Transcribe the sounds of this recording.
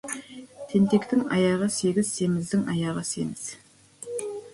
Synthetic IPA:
t̪ʰe̞nt̪e̞kt̪ɪŋɑ̰jɑʁəse̞ɡʲɪz̥se̞mɪzd̪ɪŋɑ̰jɑʁəse̞̰ŋɪz̥

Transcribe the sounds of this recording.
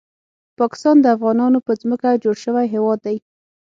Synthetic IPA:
pɑkɪ̥st̪ɑnd̪əafɣɑnɑnopəzməkad͡ʒoɽʃəwajɦewɑd̪ːaj

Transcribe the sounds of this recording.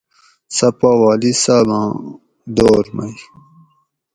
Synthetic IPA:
sɐpawaːlisamã | d̪oːɾma̰j

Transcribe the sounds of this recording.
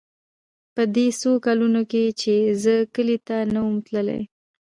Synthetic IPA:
pəd̪esokalunoket͡ʃezəkəlit̪anawumt̪ləla̰j

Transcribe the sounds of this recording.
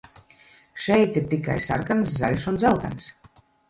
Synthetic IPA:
ʃɛjt̪iɾt̪ika̰jsa̰ɾkamsza̰lʲʃund̪zawt̪a̰ns

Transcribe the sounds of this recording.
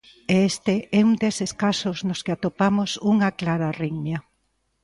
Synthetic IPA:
eest̪eʔɛuŋd̪eseskasoznoskeat̪opamosuŋaklaɾariŋɲa

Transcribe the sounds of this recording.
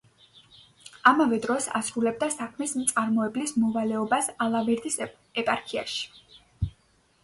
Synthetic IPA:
amavɛd̪ɾɔsa̰sɾulɛb̚d̪asakʰmɛsmt̪sʼaɾmɔɛblismɔvalɛɔbasalˠavɛɾd̪is | ɛpʼaɾkʰia̰ʃi̥

